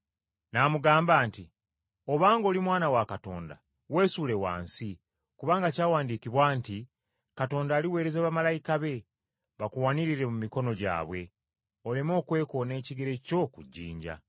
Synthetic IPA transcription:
namuɡaːmbaːnti | o̞βaːŋɡo̞ːlimwaːnawakato̞̰ːnda̰ | we̞ːsuːle̞wa̰ːnsi | kuβaːŋɡacaːwaːndikiβwaːnti | kato̞ːndaːliwe̞ːɾe̞zaβamalajikaβe̞ | βakuwaniɾiɾe̞mumiko̞no̞ɟa̰ːβwe̞ | olemo̞ːkwe̞ːko̞ːne̞ːciɡeɾe̞co̞kuɟːḭːɲɟa̰

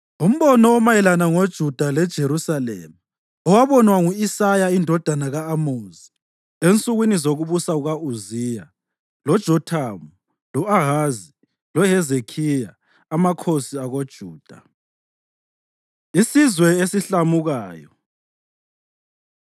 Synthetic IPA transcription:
um̩βɔnɔːmajɛlanaŋod̥ʒ̥ʱud̥ʱalɛd̥ʒ̥ʱeɾusalḛmu | ɔwaβɔnwaŋuisajaindʱɔd̥ʱanaɣaːmozi | ent͡sʼuɣwinizoɣuβusauɣauzija | lɔd̥ʒ̥ʱɔtʰamu | lɔʔaɦazi | lɔɦɛzekʰijaː | makʰosiaɣod̥ʒ̥ʱuːd̥ʱa | isizwɛesiɬamuɣaːjɔ̰

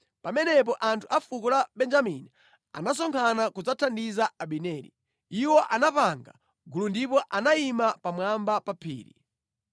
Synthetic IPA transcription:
pamɛnɛp̬ɔʔantʰuafukɔlaɓɛnd͡ʒamini | a̰nas̬ɔŋkʰanakud͡zatʰandizaaɓinɛːɾḭ | iwɔʔanapaŋɡa̰ | ɡulundipɔʔanaimapamwambapapʰḭːɾḭ

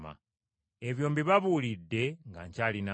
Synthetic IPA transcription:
ma̰ | e̞βjo̞ːmbiβaβuːlidːe̞ŋɡa̰ɲcaːlina

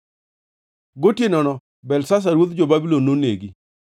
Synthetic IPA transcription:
ɡotjenɔnɔ | bɛlsas̬aɾwot̪d͡ʒobabilonːoneɡi

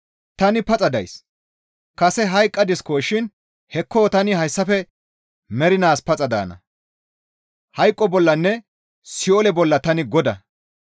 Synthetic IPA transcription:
t̪ɐnɪpɐt͡sʼɐd̪ɐ̰js | kɐsɛɦɐjkʼːɐd̪ɪskoːʃɪn | hɛkʰːoːt̪ɐnɪhɐjsːɐfɛ | mɛɾɪnaːspɐt͡sʼɐd̪a̰ːnɐ̰ | hɐjkʼːɔbɔlːɐnːɛ | sɪɔlɛbɔlːɐt̪ɐnɪɡɔd̪ɐ

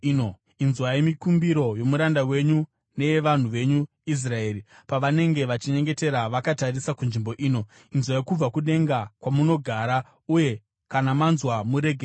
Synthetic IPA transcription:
o | inzwajemikumbiɾo̞jo̞muɾandawe̞ɲu | ne̞eʋan̤uʋe̞ɲu | is̬rae̞ːɾipaʋane̞ŋɡe̞ʋat͡ʃiɲe̞ŋɡe̞te̞ɾaʋakatarisakunʐimbo̞ʔiːno̞ | inzwajekub͡vakuɗe̞ŋɡakwamuno̞ɡʱaɾa | uje̞ | kanamanzwamuɾe̞ɡʱe

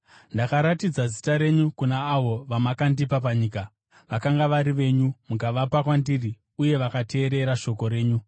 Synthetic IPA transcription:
ndakaɾatid͡zazitaɾe̞ɲukunaːʋo̞ʋamakandipap̬aɲiːka | ʋakaŋɡaʋaɾiʋe̞ːɲumukaʋapakwandiri | uje̞ʋakatʰe̞ːɾe̞ɾaʃo̞ko̞ɾe̞ːɲu

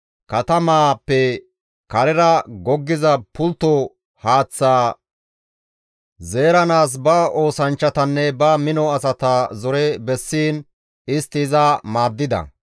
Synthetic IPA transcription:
kɐt̪ɐmaːpːɛ | kɐɾɛɾɐɡɔɡːɪzɐpʊlt̪ːɔ | haːt͡sːaː | ze̞ːɾɐnaːs̬bɐo̞ːsɐnt͡ʃːɐt̪ɐnːɛbɐmɪnɔɐsɐt̪ɐzɔɾɛbɛsːiːn | ɪst̪ɪzɐmaːd̪ːɪd̪ɐ̰

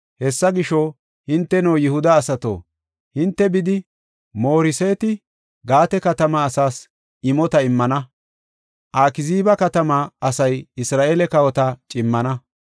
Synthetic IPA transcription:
hɛsːɐɡɪʃɔ | hɪnt̪ːɛnowjɪhʊd̪ɐːsɐt̪o̰ː | hɪnt̪ːɛbɪd̪ɪ | mo̞ːɾɪseːt̪ɪ | ɡaːt̪ɛkɐt̪ɐmɐːsaːs | ɪmɔt̪ɐɪmːɐnɐ | ʔaːkɪziːbɐkɐt̪ɐmɐɐsɐjɪsɾaːʔeːlɛkɐwɔt̪ɐt͡ʃʼɪmːɐnɐ

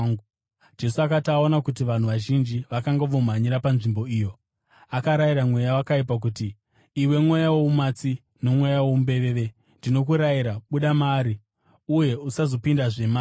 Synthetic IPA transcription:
d͡ʒe̞suakatao̞nakut̬iʋan̤uʋaʒind͡ʒiʋakaŋɡaʋo̞maɲiɾapanʐimbo̞iːjo̞ | akaɾajiɾamwe̞jawakaip̬ak̬utiː | we̞mwejawoumat͡si | no̞mwejawombe̞ʋeʋe̞ | ndino̞kuɾaiɾaɓuɗamaːɾi | uje̞usazo̞pindaʐe̞maː

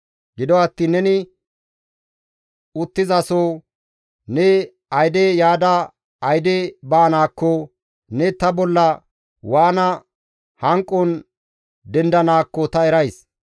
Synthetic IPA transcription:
ɡɪd̪ɔɐt̪ːiːnːɛnɪ | ʊt̪ːɪzɐso | nɛ | ɐjd̪ejaːd̪ɐ | ɐjd̪ebaːnaːkːɔ | nɛt̪ɐbɔlːɐ | waːnɐ | hɐŋkʼːɔn | d̪ɛnd̪ɐnaːkːɔt̪ɐɛɾɐjs

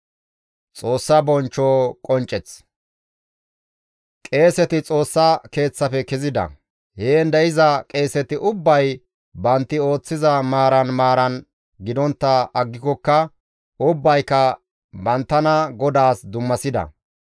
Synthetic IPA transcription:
t͡sʼo̞ːsːɐbɔnt͡ʃːoːkʼɔnt͡ʃʼːɛt͡s | kʼe̞ːsɛt̪ɪt͡sʼo̞ːsːɐke̞ːt͡sːɐfɛkɪzɪd̪ɐ̰ | heːnd̪ɐɪzɐkʼe̞ːsɛt̪ɪʔʊbːɐj | bɐnt̪ːɪo̞ːt͡sːɪzɐmaːɾɐnmaːɾɐn | ɡɪd̪ɔnt̪ːɐɐɡːɪkɔkːɐ | ʊbːɐjkːɐ | bɐnt̪ːɐnɐɡɔd̪aːsd̪ʊmːɐsɪd̪ɐ̰

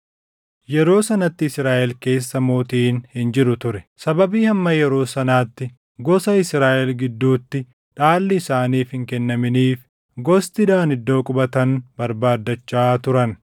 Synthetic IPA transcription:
jɛɾo̞ːsɐnɐt̪ːɪɪsɾaːʔɛlke̞ːsːɐmo̞ːt̪iːnhɪnd͡ʒɪɾʊt̪ʊɾɛsɐbɐbiːhɐmːɐjɛɾo̞ːsɐnaːt̪ːɪ | ɡɔsɐɪsɾaːʔɛlɡɪd̪ːuːt̪ːɪ | ᶑaːlːɪːsaːniːfhɪŋkɛnːɐmɪniːf | ɡɔst̪ɪd̪aːnɪd̪ːo̞ːkʼʊbɐt̪ɐnbɐɾbaːd̪ːɐt͡ʃːaːt̪ʊɾɐn

